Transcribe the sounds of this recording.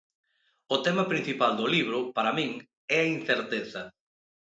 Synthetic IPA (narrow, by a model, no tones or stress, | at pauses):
ʊt̪ɛmɐpɾĩn̟θipald̪ʊliβ̞ɾʊpaɾɐmĩŋ | ɛain̟θeɾt̪eθɐ